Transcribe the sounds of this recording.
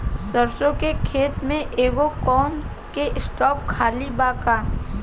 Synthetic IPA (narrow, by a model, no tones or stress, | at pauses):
səɾsõkekʰeːt̪mẽʔeːɡokɔːn | keʔɪsʈɔːp̚kʰaːlibaːkaː